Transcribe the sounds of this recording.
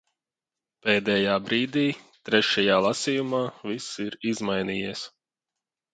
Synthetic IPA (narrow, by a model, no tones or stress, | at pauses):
peːd̪ɛːjaːbɾiːd̪iːt̪ɾɛʃajaːlˠasijumaːvisiɾizmajniːjiɛs